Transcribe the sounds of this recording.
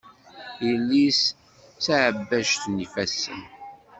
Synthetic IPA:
ilːis | t͡saʕəbːæʒθnifæsːə̰n

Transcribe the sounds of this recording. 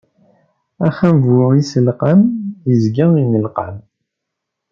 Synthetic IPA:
æχæmvwəisəlqənjəzɡəinəlqən

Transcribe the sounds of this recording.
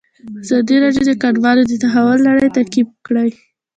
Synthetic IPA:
azɑd̪iɾɑdjod̪əkaɖwɑlod̪ət̪aɦawʊlːaɽəjt̪akibkɽaj

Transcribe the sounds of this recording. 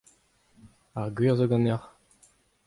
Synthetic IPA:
aʁɡɥiːʁzoɡɑ̃nɛʁ

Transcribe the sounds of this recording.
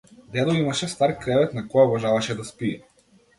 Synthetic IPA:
d̪ɛd̪ɔimaʃɛst̪aɾkɾɛvɛt̪nakɔjaɔvaʒavaʃɛd̪aspiɛ

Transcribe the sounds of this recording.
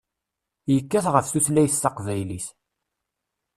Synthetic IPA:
jəkːæθʁəfθuθlæjθθɑqvæjliθ

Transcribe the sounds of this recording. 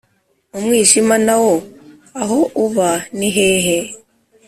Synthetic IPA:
omwiːʒimanawo | aɦoʔuβaniɦeːɦe

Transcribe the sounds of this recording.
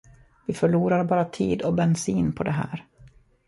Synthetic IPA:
vɪfœɭuːɾaɾbɑːɾat̪ʰḭːd̪ɔbɛnsiːnpʰɔd̪ɛɦæ̰ːɾ

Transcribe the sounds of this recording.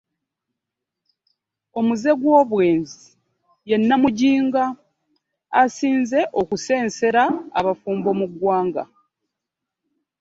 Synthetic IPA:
o̞muze̞ɡwo̞ːβwe̞ːnzi | je̞nːamuɟiːŋɡaː | siːnze̞ʔo̞kuse̞ːnse̞ɾaːβafuːmbo̞muɡwaːŋɡa̰

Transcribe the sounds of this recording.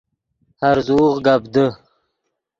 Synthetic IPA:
haɾzuːʁɡabd̪ə

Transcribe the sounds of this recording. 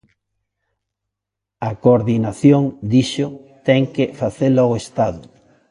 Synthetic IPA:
ɐkoɾðinaθjoŋd̪iʃot̪ɛŋkefaθelaoest̪aðʊ

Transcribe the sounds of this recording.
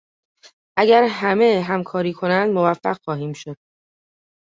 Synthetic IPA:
ʔæɡæɾɦæmeɦæmkʰɒːɾiːkʰo̞nænd̪movæfːæ̰ɢxɒːɦiːmʃod̪̥

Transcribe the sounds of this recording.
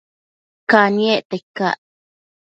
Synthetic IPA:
kanieʔt̪ekːa̰ʔ

